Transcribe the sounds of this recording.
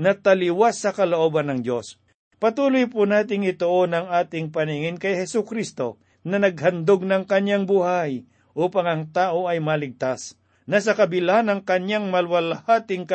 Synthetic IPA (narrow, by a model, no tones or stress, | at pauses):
nɐt̪ɐliwasːɐkɐloʔoːbɐnːɐŋdo̞s | pɐt̪uːlʊjpʊnaːt̪ɪŋɪt̪oʔonɐŋaːt̪ɪŋpɐniŋɪnkɐjhɛsʊkɾist̪o̞ | nɐnɐɡ̚hɐnd̪oɡ̚nɐŋkɐɲjaŋbuhaj | ʔuːpɐŋɐŋt̪aːʔoʔɐjmɐlɪɡ̚t̪as | nɐsɐkɐbɪlanɐŋkɐɲjaŋmɐlwɐlɐhaːt̪ɪŋkɐ